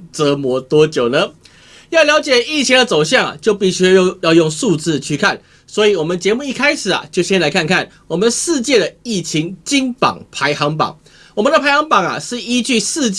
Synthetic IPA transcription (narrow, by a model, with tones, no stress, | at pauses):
t͡sə˧˦mwɔ˧˥t̪wɔ˥t͡ɕjo˨˩ʊnə˦ | jɑ˥˩ʊljɑ˧˥ʊt͡ɕjɛ˨˩i˥˩t͡ɕʰi˧˥d̪ə˨t͡so˨˩ʊɕ̬jɑ˥˩ŋa̰˨˩t͡ɕjo˥˧ʊpi˥˩ɕy˥˧jjɑ˥˧ʊjo˥˧ŋʂu˥˧t͡sɹ̩˥˧t͡ɕʰy˥˧kʰa˥˨n | swɔ˧˦˥i˨wɔ˨˩mə˨nt͡ɕjɛ˧˥mu˥˧i˥˩kʰa˥ɪʂɻ̩˨˩ɐ̰˩t͡ɕjo˥˧ʊɕjɛ˥nla˧˥ɪkʰa˥˧nkʰa˥˩n | wɔ˨˩mə˨nʂɻ̩˥˧t͡ɕjɛ˥˩d̪ə˩i˥˩t͡ɕʰi˧˥ŋt͡ɕi˥ŋpɑ̰˨˩ŋpʰa˧˦˥ɪxɑ˧˥ŋpɑ̰˨˩ŋ | wɔ˨˩mə˦nd̪ə˧pʰa˧˥ɪxɑ˧˥ŋpɑ˨˩ŋɐ̰˨˩ʂɻ̩˥˩i˦˥t͡ɕy˥˧ʂɹ̩˥˧t͡ɕ